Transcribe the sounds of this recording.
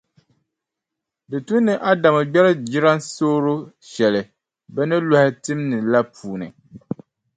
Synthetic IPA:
bɨ˨tu˦nːɨ˨ʔa˦da˨mɨ˨ɡ͡bɛ˦ɾɨ˦d͡ʒi˦ɾa˦nsoː˦ɾʊ˦ | ʃɛ˨lɪ˨ | bɛ˦nɨ˦la˦hɪ˦tɨ˦mnɨ˨la˦puː˨nɨ̰˨

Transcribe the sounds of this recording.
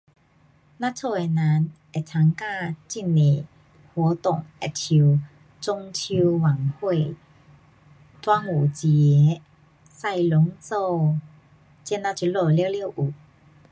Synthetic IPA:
nã˦˧t͡sʰɔ˥˧e˨˩na˨˦n | e˨˩t͡sʰa˨˥ŋka˥˧˨t͡ɕi˥˩nːi˨˩ | hwɔ˨˦t̪ʊ˨˩ŋɛ̰˨˩tʰu˧ | t͡sʊ˧ŋtʰu˧wa˨˩ŋhwe˥˧˨ | t̪wa˧˥ŋu˨˩t͡ɕjɛ˨˦ | sa˥˧˨jlʊ˨˦ŋt͡sɔ˥˧ | t͡ɕjɛ˧nã˧˥t͡ɕʰju˧˦lɔ˧˩ljwlji˥˧˨wʔu˨˩

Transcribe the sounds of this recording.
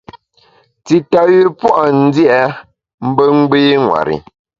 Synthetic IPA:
ti˨ta˨ji˦pwɔ˦ʔa˨n̩˦di˦ɛ˨˦ | m̩˦bə˦ŋ̩˦ɡ͡beː˦ŋwa̰˨ɾḭ˨

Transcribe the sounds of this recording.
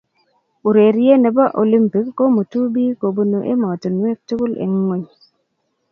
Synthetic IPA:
u˨ɾe˨ɾi˦je˦ne˨ba˦ʔo˨li˦mpi˨kːo˦mu˨tu˦bi˦ko˨bu˨no˨ʔḛ˦mɔ˨tu˨nwe˦k̚tu˦ku˦lḛ˨ŋːo˦ɲ

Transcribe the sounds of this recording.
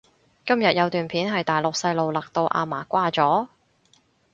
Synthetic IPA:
kɐ˥mjɐ˨t̚jɐ˨˧wt̪yː˨npʰiː˨˥nɦɐ˨jt̪aː˨jlʊ˨k̚sɐ˧jlo˨wlɐ˨k̚t̪o˧wʔa̰ː˧maː˨˩kʷaː˥t͡sɔː˨˥

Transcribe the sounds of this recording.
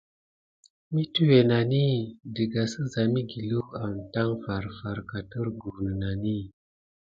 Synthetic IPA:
mi˦tu˦we˨na˨ni˦dɨ˨ɡa˨sə˦za˨mi˦ɡi˨lu˦a˨m˨ta˦ŋfa˨ɾfa˨ɾka˨tə˦ɾɡu˨nə˨na˨ni˦

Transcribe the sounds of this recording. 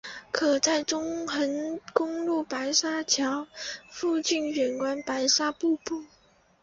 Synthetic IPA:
kʰɤ˨˩t͡sa˥˩ɪʈ͡ʂʊ˥ŋxə˧˥nkʊ˥ŋlu˥˩pa˧˥ɪʂa˥t͡ɕʰjɑ˧˥ʊfu˥˧t͡ɕi˥˩nɥɛ˨˩nkwa˥npa˧˥ɪʂa˥pu˥˧pu˥˩

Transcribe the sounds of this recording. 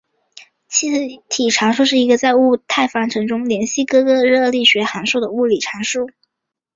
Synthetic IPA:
t͡ɕʰi˧˥t̪ʰi˨˩ʈ͡ʂʰa˧˥nʂu˥˧ʂɻ̩˥˩i˧˥ɡə˧t͡sa˥˧ɪu˥˧t̪ʰa˥˩ɪfa˥nʈ͡ʂʰɤ˧˥ŋʈ͡ʂʊ˥ŋljɛ˧˥nɕi˥˩kɤ˥kɤ˥ɻɤ˥˧li˥˩ɕɥɛ˧˥xa˧˥nʂu˥˩d̪ə˩u˥˩li˨˩ʈ͡ʂʰa˧˥nʂu˥˩

